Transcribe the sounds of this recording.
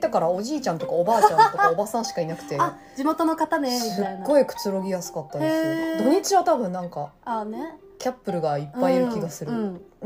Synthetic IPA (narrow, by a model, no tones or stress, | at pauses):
t̪akaɾao̞d͡ʑiːt͡ɕãnt̪o̞kaobaːt͡ɕãt̪o̞kaobasãɰ̃ɕi̥kainakɯ̟̥t̪e̞a | d͡ʑimo̞t̪o̞no̞kat̪anesmiɨaɡnːo̞ikɯ̟̥t͡sɨɾo̞ɡʲijasɨ̥kat̪ːad̪esod̪o̞ɲ̟it͡ɕiβat̪abɯ̟̃nnãŋkaane | kʲapːɯ̟ɾɯ̟ɡaipːaiɾɯ̟kʲiɡasɨɾɯ